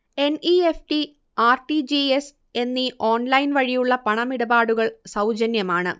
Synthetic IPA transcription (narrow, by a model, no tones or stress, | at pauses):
e̞niefʈi | aːrʈid͡ʑies | e̞nːiʔoːnlɐjnʋɐɻijuɭːɐpɐɳɐmiɽɐbaːɽuɣɐɭsɐwd͡ʑɐnjɐmaːɳɨ̰